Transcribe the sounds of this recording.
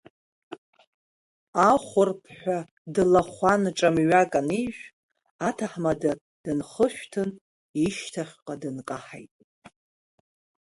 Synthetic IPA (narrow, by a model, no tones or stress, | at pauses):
aχʷʊrpʰħʷᶣa | dɨlaχʷanʈ͡ʂʼamɥakʼaniʒᶣʷ | atʰaħmada | d̥ɨnχəʃᶣʷtʰɨn | iʃtʰaχʲqʼadɨnkʼaħa̰jtʼ